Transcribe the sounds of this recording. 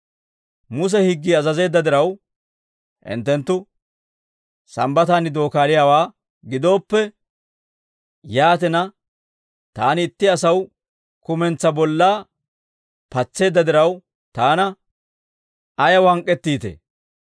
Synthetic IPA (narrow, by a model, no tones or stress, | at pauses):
mʊs̬ɛhɪɡːiːɐzɐze̞ːd̪ːɐd̪ɪɾɐw | ʔɪ̰nt̪ːɛnt̪ːʊ | sɐmbɐt̪aːnɪd̪o̞ːkaːɾɪjaːwaː | ɡɪd̪o̞ːpːɛ | jaːt̪̬ɛnɐ | t̪aːnɪːt̪ːɪɐsɐw | kʊmɛnt͡sːɐbɔlːaː | pɐt͡sːe̞ːd̪ːɐd̪ɪɾɐw | t̪aːnɐ | ɐjɐwɐŋkʼːɛt̪ːiːt̪ḛ